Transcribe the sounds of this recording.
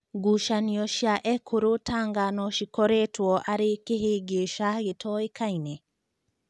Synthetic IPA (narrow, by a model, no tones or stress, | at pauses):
ɡuʃaniɔʃiaʔɛkʰoɾotaŋɡanɔʃikɔɾɛtwɔʔaɾekeɦeɡeʃaɡetʰɔekainɛ